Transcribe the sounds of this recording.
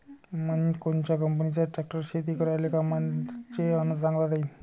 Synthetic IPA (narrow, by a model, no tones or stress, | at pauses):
mənkont͡ɕakəmpənit͡ɕaʈɾak̚ʈəɾɕet̪ikəɾajlekamat͡ɕeanəd͡zaŋɡlalaj